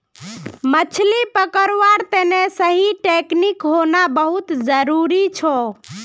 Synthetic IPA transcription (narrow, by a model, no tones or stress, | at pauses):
mət͡ʃʰlipəkəɾʋaɾt̪enesəɦiʈeknikɦonabəɦut̪d͡ʒəɾuɾit͡ʃʰɔ